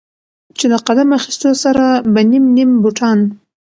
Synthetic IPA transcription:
t͡ʃelaqad̪amaxi̥st̪osaɾabanimnimbuʈʰɑn

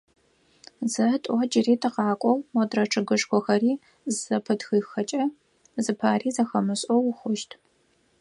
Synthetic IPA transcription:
zɐtʼʷɔd͡ʒɪriːtʰɨqɑːkʷʼɔwmɔdrɐʈ͡ʂʰɨɡɨʂxʷʰɔxɐriː | zɐpʰɨtxɨːxɐt͡ʃʼɐ | zɨpʰaːriːzɐxɐmɨɕʼɔwxʷʊʃtʰ

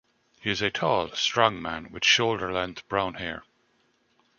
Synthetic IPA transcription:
hiɪzətʰɔːlˠstɹ̥ɔ̃ŋmæ̰̃nwɪð̥ʃoʊlˠdə˞lɛ̃nθb̥ɹãʊ̃nhɛ̰ɹ

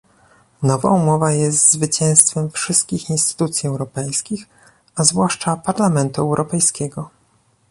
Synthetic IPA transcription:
nɔva̰umɔvajɛst̪zvɘt͡ɕɛ̃w̃st̪fɛmfʂɘst̪̚kʲixinst̪ɘ̥t̪ut̪sʲjiɛwɾɔpɛjskʲix | azvwaʂt͡ʂapaɾlamɛnt̪uɛwɾʔɔpɛjskʲɛɡɔ

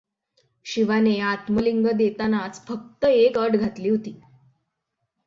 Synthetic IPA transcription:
ɕiʋaneat̪məliŋɡəd̪et̪anat͡sfək̚t̪əekəʈɡʱat̪liːɦot̪iː

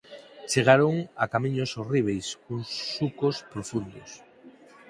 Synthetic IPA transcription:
t͡ʃeɣ̞aɾoŋakamiɲosoriβ̞ejskuŋsːukospɾofund̪os

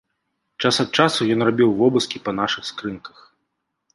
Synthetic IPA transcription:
t͡ʂasɐt̪̚t͡ʂasujɔnrabʲiwvɔbɨskʲipɐn̪aʂɨxskɾɨnkɐ̥x

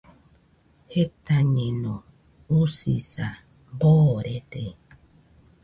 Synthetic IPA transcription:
het̪aɲẽnõ | usḭsa | boɾet̪e

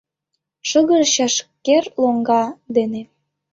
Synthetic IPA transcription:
ʃəɣəɾɕɑʃkerloŋɡɑd̪ene

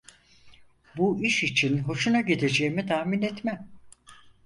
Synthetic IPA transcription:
buiʃit͡ʃʰinɦo̞ʃunaɟed̪ed͡ʒejimit̪ʰaːminɛt̪mæm

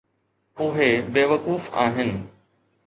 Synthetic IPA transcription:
ʊɦebeːʋəkuːfa̰ːɦɪnɪ̆

